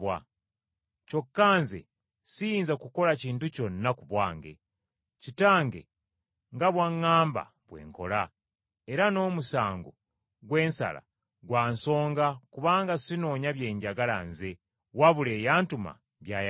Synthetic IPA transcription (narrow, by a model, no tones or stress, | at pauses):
wa | co̞kːaːnzḛ | sijiːnzakuko̞laciːntuco̞nnːakuβwaːŋɡe̞̰ | citaːŋɡe̞̰ | ŋɡaβwaŋːaːmba̰ | βwe̞̰ːŋko̞̰la | e̞ɾano̞ːmusaːŋɡo̰ | ɡwe̞ːnsa̰la̰ | ɡwaːnso̞ːŋɡakuβaːŋɡasino̞ːɲaβjeːɲɟaɡala̰nze | waβule̞jaːntuma̰ | βjaj